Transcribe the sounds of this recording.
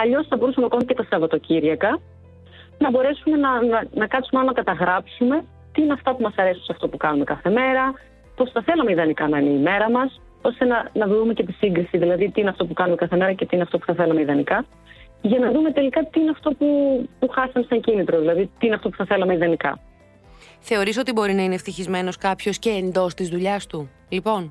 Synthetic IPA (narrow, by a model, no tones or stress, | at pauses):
ɐʎo̞sθɐbo̞ɾusɐmeɐkoncet̪ɐsɐvɐt̪o̞ciɾʝɐkɐ | nɐbo̞ɾe̞sume̞nɐnɐnɐkɐt̪sumeɐlonɐkɐt̪ɐɣɾɐpsume̞ | t̪iːneɐft̪ɐpumɐsɐɾe̞sun̩seɐft̪o̞pukɐnume̞kɐθe̞me̞ɾɐ | po̞sθɐθe̞lɐmeiðɐnikɐnɐineime̞ɾɐmɐs | o̞st̪e̞nɐnɐðumecet̪isiŋɡɾisiðilɐðit̪iineɐft̪o̞pukɐnume̞kɐθe̞me̞ɾɐce̞t̪iineɐft̪o̞pu̥θɐθe̞lɐmeiðɐnikɐ | ʝɐnɐðume̞t̪e̞likɐt̪iineɐft̪o̞pupuxɐsɐmesɐɲcinit̪ɾo̞ðilɐðit̪iineɐft̪o̞pu̥θɐθe̞lɐmeiðɐnikɐ̰ | θe̞o̞ɾis̬o̞t̪ibo̞ɾinɐineft̪içizme̞no̞skɐpço̞sce̞ːnd̪o̞st̪izðuʎɐst̪u | lipo̞n